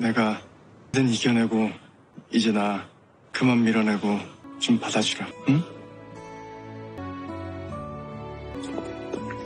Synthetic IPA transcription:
ne̞ɡa | dɯniɡjʌne̞ɡo | id͡ʑena | kɯmanmːiɾʌne̞ɡot͡ɕompadad͡ʑiɾaɯ

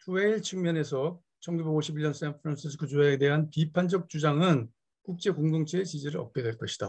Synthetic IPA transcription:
tueiɭt͡ɕʰuŋmjʌne̞sʰʌ | t͡ɕʰʌnɡube̞ɡoɕʰibiʎjʌns͈ʰanpʰɯɾans͈ʰis̬ʰɯ̥kʰut͡ɕuaede̞ɦanpipʰand͡ʑʌk̚t͡ɕ͈ud͡ʑaŋɯn | kuk̚t͡ɕ͈e̞koŋdoŋt͡ɕʰeːt͡ɕid͡ʑiɾɯɭʌ̰p̚k͈e̞dwe̞ɭk͈ʌɕʰid̥a

